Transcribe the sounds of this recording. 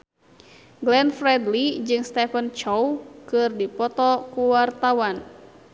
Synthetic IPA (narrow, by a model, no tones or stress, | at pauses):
ɡlɛnfɾɛdlid͡ʒɨŋst̪ɛfənt͡ʃɔwkɨrdipɔt̪ɔkuwart̪awan